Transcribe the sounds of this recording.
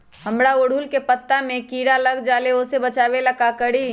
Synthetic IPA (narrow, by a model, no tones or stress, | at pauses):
həmɽaoɽ̤ʱulkepət̪ːamẽkiːɽaləɡd͡ʒaːleosebət͡ʃaːʋeləkakəɽi